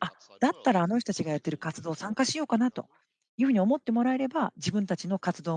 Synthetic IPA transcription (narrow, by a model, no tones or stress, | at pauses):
a | d̪̥at̪ːaɾaːno̞çʲt̪ot̪ḁt͡ɕiɡajat̪ːe̞ɾɯ̟kat͡sɨd̪o̞ːsãŋkaɕijo̞ːkanat̪o̞̰ | jɯ̟ːɸɯ̟ɲ̟io̞mo̞t̪ːe̞mo̞ɾae̞ɾe̞bad͡ʑibɯ̟̃nt̪at͡ɕino̞kat͡sɨd̪oː